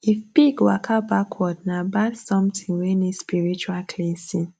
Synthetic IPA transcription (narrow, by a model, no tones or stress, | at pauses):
ifb̥iɡwakʰabakʰwɔdnabansɔ̃mtĩŋwɛnispiɹit͡ʃualkʰlɛ̃nsĩn